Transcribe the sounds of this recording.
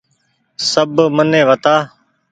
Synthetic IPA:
səbmənːẽːʋət̪aː

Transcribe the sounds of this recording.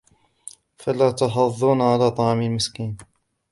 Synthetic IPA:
falaːt̪ɑħɑðˤːuːnʕalaːt̪ˤɑʕmalmɪskiːn

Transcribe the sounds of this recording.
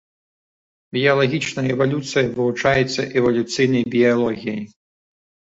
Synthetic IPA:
bʲijɐlˠaɣʲit͡ʂnɐjɛvalʲut̪sɨjɐvɨvut͡ʂajɛt̪sːɐʔɛvɐlʲut̪sɨjnɐjbʲialˠɔɣʲijɐj

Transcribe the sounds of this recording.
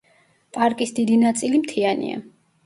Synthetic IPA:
pʼaɾkʼisd̪id̪inat̪sʼilimt̪ʰianḭa̰

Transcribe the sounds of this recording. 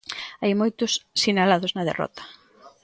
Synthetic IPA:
ajmojt̪ʊssinalaðʊznɐðḛrɔ̰t̪ɐ̥

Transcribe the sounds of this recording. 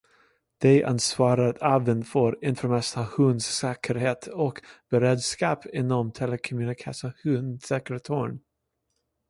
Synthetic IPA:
d̪̥ɛʔa̰nsvɑːɾaɾat̪ʰavənfœɾɪnfœɾmɛst̪ahʉnd̪sːɛːkʰəɾheːt̪ʰɔkb̥ɛɾeːd̪skɑːpʰɪnːɔmt̪ʰɛləkʰɔmjʉnɪkʰasahʉnsɛkɾət̪ʰoɳ

